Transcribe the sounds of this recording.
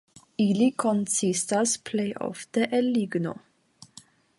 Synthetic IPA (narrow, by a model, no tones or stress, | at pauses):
iːlikʰɔnsist̪ɑspʰleɪʔɔ̰ft̪əʔɛliːɡno̰ː